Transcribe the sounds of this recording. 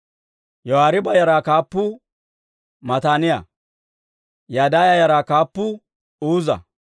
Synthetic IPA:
jɔhaːɾɪbɐjɐɾakaːpːʊ | mɐt̪aːnɪja̰ | jad̪aːjajɐɾakaːpːʊ | uːzɐ̰

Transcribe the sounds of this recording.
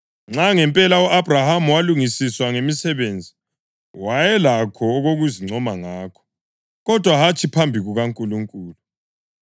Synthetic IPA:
ŋ͡ǁaŋɛmpʼɛlauʔabʱrahamuwaluŋisiswaŋemisɛβeːnd͡zʱi | wajɛlakʰɔːɣoɣuziŋ͡ǀʱɔmaŋaːkʰɔ̥ | ɣɔd̥ʱwaɦat͡ʃʼʰipʰambʱiɣuɣaŋkʼuluŋkʼuːlu

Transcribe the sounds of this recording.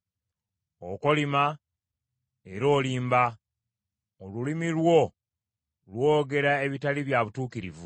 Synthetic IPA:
oko̞lima | e̞ɾo̞ːliːmba | olulimilwo̞ | lwo̞ːɡe̞ɾae̞βitaliβjaβutuːkiɾivu

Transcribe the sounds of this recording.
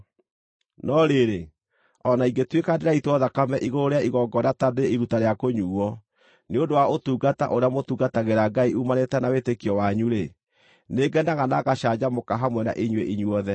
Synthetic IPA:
nɔɾeɾe | ɔnaiŋɡetwekandeɾaitwɔðakamɛʔiɣooɾeaiɣɔɡɔnatadeiɾutaɾeakoɲuːɔ | neondowaotuːɡata̰ʔoɾeamotuːɡataɣeɾaɡaiumanetɛnawetekiɔwaɲuɾe | neɡɛndaɣanaɣaʃad͡ʑamokaɦamwɛna̰ʔiɲweʔiɲwɔðɛ

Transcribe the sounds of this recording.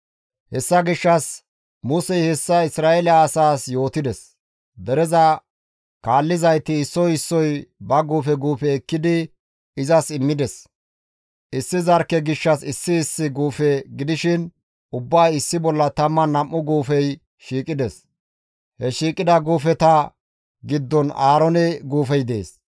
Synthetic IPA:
hɛsːɐɡɪʃːɐs | mʊsɛjhɛsːɐɪsɾaːɛlɪaːsaːsjo̞ːt̪ɪd̪ɛs | d̪ɛɾɛzɐ | kaːlːɪzɐjt̪ɪːsːɔjɪsːɔjbɐɡuːfɛɡuːfɛːkːɪd̪ɪ | ɪzɐsɪmːɪd̪ɛs | ʔɪsːɪzɐɾkːɛɡɪʃːɐsɪsːɪːsːɪɡuːfɛɡɪd̪ɪʃɪn | ʊbːaːjɪsːɪbɔlːɐt̪ɐmːɐnɐmʔːʊɡuːfɛj | ʃiːkʼɪd̪ɛs | hɛʃiːkʼɪd̪ɐɡuːfɛt̪ɐ | ɡɪd̪ːɔnaːɾɔnɛɡuːfɛjd̪e̞̰ːs

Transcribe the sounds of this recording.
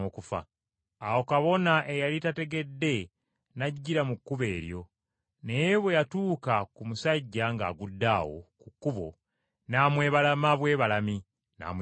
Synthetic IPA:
okufa̰ː | wo̞kaβo̞naʔe̞jalitate̞ɡe̞dːe̞ | naɟːiɾamukːuβe̞ːɾjo̞ | ne̞jeβwe̞jatuːkakumusaɟːaŋɡa̰ːɡudːaːwo̞̰kukːuβo̞̰ | naːmwe̞ːβalamaβwe̞ːβalami | na̰ːm

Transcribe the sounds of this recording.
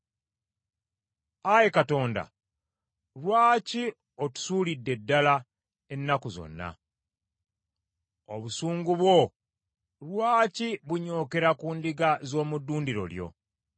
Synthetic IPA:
ajekato̞ːnda̰ | lwaːci | otu̥suːlidːe̞dːala | e̞nːakuzo̞̰nːa̰ | oβusuːŋɡuβwo̞ | ɾwaːciβuɲo̞ːke̞ɾakuːndiɡazo̞ːmudːuːndiɾo̞̰ljo̞̰

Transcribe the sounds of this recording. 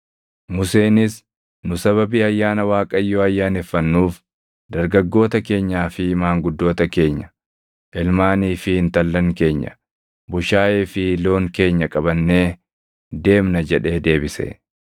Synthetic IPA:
mʊse̞ːnɪs | nʊsɐβɐbiːɐjːaːnɐwaːkʼɐjːoːɐjːaːnɛfːɐnːuːf | d̪ɐɾɡɐɡːo̞ːt̪ɐke̞ːɲːaːfɪmaːŋɡʊd̪ːo̞ːt̪ɐke̞ːɲːɐ | ʔɪlmaːniːfɪhɪnt̪ɐlːɐŋke̞ːɲːɐ̰ | bʊʃaːʔeːfɪlo̞ːŋke̞ːɲːɐkʼɐbɐnːe̞ː | d̪e̞ːmnɐd͡ʒɛᶑe̞ːd̪e̞ːbɪsḛ

